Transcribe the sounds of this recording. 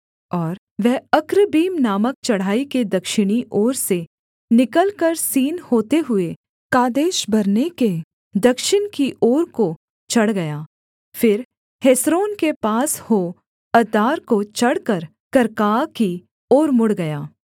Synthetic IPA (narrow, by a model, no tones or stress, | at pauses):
ɔːɾ | ʋɛɦɐkɾəbiːmnaːmək̚t͡ʃɐɽ̤aːiked̪ɐkʃɪɽ̃iʔoːɾse | nɪkəlkəɾsiːnhoːt̪eɦʊe | kaːd̪eːʃbɐɾneke | d̪ɐkʃɪnkiʔoːɾko | t͡ʃɐɽɡɐjaː | fɪɾ | hesɾoːnkepaːshoː | ɐd̪aːɾkot͡ʃɐɽkəɾ | kɐɾkaːki | oːɾmʊɽɡɐjaː